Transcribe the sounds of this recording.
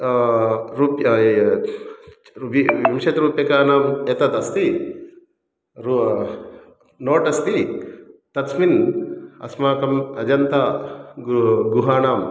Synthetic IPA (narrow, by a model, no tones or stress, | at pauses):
ɾuːpj | iimʂɐt̪ɾuːpjɐkaːnaːmet̪ɐt̪ɐst̪i | ɾu | noːʈɐst̪i | t̪ɐt̪sminɐ̰smaːkɐmɐd͡ʒɐnt̪a | ɡuɦaːnaːm